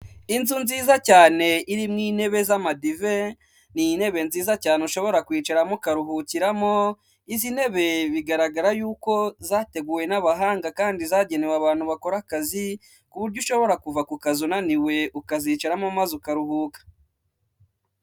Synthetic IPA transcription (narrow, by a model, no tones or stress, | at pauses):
inzunziːzacaːne̞ʔiɾimŋiːne̞βe̞zamadive̞ | nine̞βe̞nziːzacaːneuʃo̞βo̞ɾakwiːt͡ʃaɾamokaɾuɦuciɾamo̞ | izine̞βe̞βiɡaɾaɡaɾajuːko̞zaːte̞ɡuːwe̞naβaɦaːŋɡakaːndizaːɟe̞newaβaːn̥huβako̞ɾakazi | kuβuɾɟuʃo̞βo̞ɾakuvakukazunaniwe̞ʔukaziːt͡ʃeɾamomazukaɾuɦuːkḁ